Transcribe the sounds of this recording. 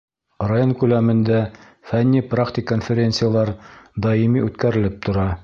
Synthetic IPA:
rajoŋkʉlæmɘ̆nd̪æ | fænʲːiprakt̪ʲɪkːonfʲeɾʲent̪sɨjalˠɑɾd̪ɑimiʉt̪kæɾɘ̆lɘp̚t̪ŏɾɑ

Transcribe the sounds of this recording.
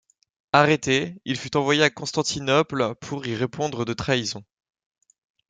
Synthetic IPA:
aʁet̪eilfyt̪ɑ̃vwajeakɔ̃st̪ɑ̃t̪inɔplpʰuʁiʁepʰɔ̃d̪ʁəd̪ət̪χaizɔ̃

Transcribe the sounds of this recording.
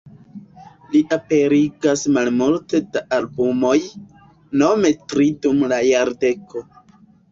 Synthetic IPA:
liʔape̞ɾiɡasmalmulte̞daalbumo̞j | no̞me̞tɾidumlajaɾde̞ko̞

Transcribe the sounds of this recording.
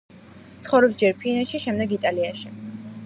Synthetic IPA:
t̪sʰχɔvɾɛpsd͡ʒɛɾpʰinɛʃiʃɛmd̪ɛɡit̪ʼaliaʃi

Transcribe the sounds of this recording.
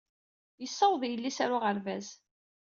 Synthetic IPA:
jəsˤːɑwðˤjəlːisaɾʊʁəɾvæz

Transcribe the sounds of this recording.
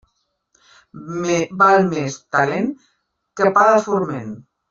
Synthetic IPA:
mebalmest̪alen | kəpaðafuɾmen

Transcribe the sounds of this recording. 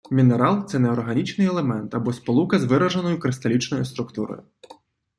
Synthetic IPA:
mʲineɾɑlˠt̪sɛnɛɔrɦɐnʲit͡ʃnɪjɛlˠemɛnt̪ɐbɔspɔlˠukɐzʋɪɾɐʒɐnɔjʊkɾɪst̪ɐlʲit͡ʃnɔjʊst̪ɾʊkt̪uɾɔ̰jʊ

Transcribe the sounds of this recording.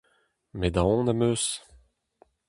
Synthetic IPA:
med̪ãɔ̃namøːs

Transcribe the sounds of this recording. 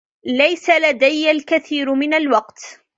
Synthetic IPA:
lajsalad̪ajːalkaθiːɾmɪnalwɑqt̪

